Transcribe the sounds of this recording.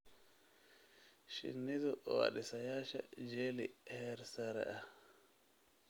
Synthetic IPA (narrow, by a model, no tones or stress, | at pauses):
ʃḭnːidɔʔwa̰ɗisajaʃa̰d͡ʒelihɛɾsaɾa̰ʔa